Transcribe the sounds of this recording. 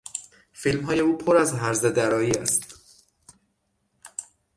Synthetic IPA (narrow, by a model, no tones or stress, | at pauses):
filmɦɒːje̞uːpʰoɾæzɦæɾzed̪æɾɒːjiːæ̰st̪